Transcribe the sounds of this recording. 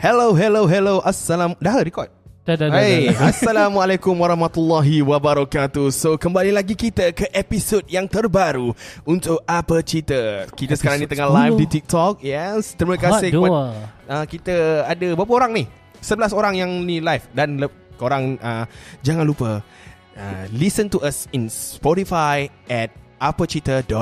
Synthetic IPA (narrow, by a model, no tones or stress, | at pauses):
hɛloɦɛloɦɛloʔasːalamdaɦəɾikɔt̪̚ddaaasːalamualakʊmwaɾɑhmat̪ulːɔɦiwabaɾakat̪usokəmbalilaɡikit̪əkəʔepisod̚jaŋt̪ərbaɾuunt̪ʊk̚apət͡ʃit̪əkit̪əsəkaɾaŋnĩt̪əŋalajfdit̪ik̚t̪ɔk̚jɛst̪ɾimə̃kasɪhaəkit̪əadəbap̬əoɾaŋnih | səbəlasoɾaŋjaŋnĩlajfdanlə | koɾaŋəd͡ʒaŋanlupə | ə̰lisə̃nt̪uʔasinspɔɾifajɛt̪̚apət͡ʃit̪ədɔt̚